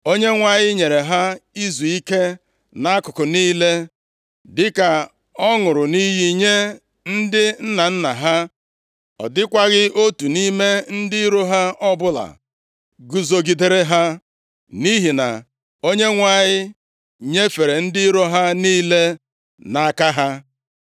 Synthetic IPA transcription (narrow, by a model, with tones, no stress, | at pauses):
o˦ɲe˦ŋʷa˨ɲɪ˦ɲe˨ɾe˨ɦa˦i˦zu˨i˦ke˦ | na˦kʊ˨kʊ˨niː˦le˦ | dɪ˦ka˨ | ɔ˦ŋʊ˨ɾʊ˨ni˦ɦi˦ɲe˦ | n̩˦dɪ˦n̩˦na˨n̩˦na̰˨ɦa˦ | ɔ̰˨dɪ˦kʷa˦ɣɪ˦o˦tu˨ni˦me˦n̩˦dɪ˦ɾo˦ɦa˦ɔ˦bʊ˦la̰˨ | ɡu˨zo˦ɡi˨de˨ɾe˦ɦa˦ | ni˦ɦi˨na̰˨ | o˦ɲe˦ŋʷa˨ɲɪ˦ | ɲe˦fe˨ɾe˨n̩˦dɪ˦ɾo˦ɦa˦niː˦le˦ | na˨a˦ka˦ɦa˦